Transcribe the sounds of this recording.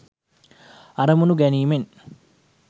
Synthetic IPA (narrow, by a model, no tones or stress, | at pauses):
ɐɾɐmunuɡɐniːmen